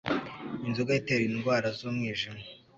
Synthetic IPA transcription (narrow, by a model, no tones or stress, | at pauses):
inzuɡajiteɾinɡwaːɾazoːmŋiːʒimo